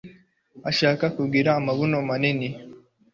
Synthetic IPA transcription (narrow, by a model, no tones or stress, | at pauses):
aʃakakubɡiɾaːmaβunomanini